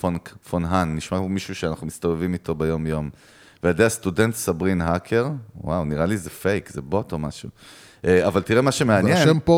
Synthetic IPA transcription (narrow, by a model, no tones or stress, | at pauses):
onkfonɦanːiʃmaomiʃuʃeanaχnumistovevimito̞bejo̞mjo̞m | veadeastude̞ntsabʁinɦakʰe̞ʁwawniʁalizefe̞jkzebo̞to̞maʃu | ʔeavaltiʁemaʃemeanjeempo